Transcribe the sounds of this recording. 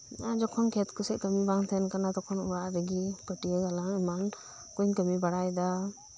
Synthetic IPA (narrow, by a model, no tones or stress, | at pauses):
iʔad͡ʒɔkʰɔnkʰɛt̪̚kusɛʔkəmibaŋt̪ʰɛnkanat̪ɔkʰɔnuɾaʔɾɛɡikəʈijəɡalaŋiman | kuɲkəmibaɽajd̪a